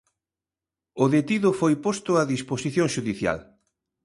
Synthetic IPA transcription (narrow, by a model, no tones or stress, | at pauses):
ʊðet̪iðʊfojpost̪ʊaðisposiθjõŋʃuðiθja̰l